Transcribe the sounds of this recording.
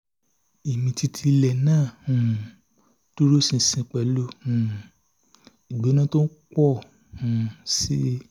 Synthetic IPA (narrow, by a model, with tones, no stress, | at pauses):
i˨mĩ˨ti˧tʰi˧lɛ˨nãː˦˨ũ˨ | to˦ɾo˦sĩ˧sĩ˧k͡pɛ˨˦lo˧˦ũ˨ | i˨ɡ͡be˨˦nã˦to˦n̩˦k͡pɔ˦˨ | ũ˨si˦